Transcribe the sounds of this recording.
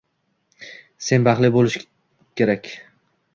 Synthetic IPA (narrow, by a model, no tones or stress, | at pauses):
se̞nbɑχlˠɪbolɪʃ | kʲʰe̞ɾakʲ